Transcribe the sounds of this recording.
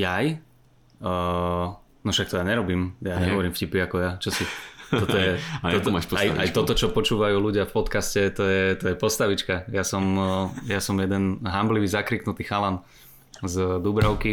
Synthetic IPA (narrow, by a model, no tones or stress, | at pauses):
jaj | nɔʃak̚t̪ɔjaːɲɛɾɔbiːmjaɲɛɦɔʋɔɾiːmfcipiakɔjat͡ʃɔsitɔt̪ɔjɛɔt̪maʃpɔajʔajt̪ɔt̪ɔt͡ʃɔpɔt͡ʃuːʋajuːluɟɪafpɔt̪kascɛt̪ɔjɛt̪ɔjɛpɔst̪aʋit͡ʃkajasɔmjasɔmjɛd̪ɛnɦambliʋiːzakɾiknut̪iːxalan | zd̪ubɾaʊki